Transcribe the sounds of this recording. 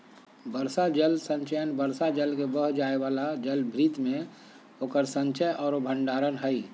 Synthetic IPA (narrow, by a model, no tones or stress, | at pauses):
bəɾsad͡ʒəlsə̃ɲt͡ʃəjənbəɾsad͡ʒəlkebəɦd͡ʒaːeʋaːlad͡ʒəlbʱɾiːt̪mẽ | oːkəɾsə̃ɲt͡ʃəjʔɔːɾobʱə̃ɳɖaːɾənɦəi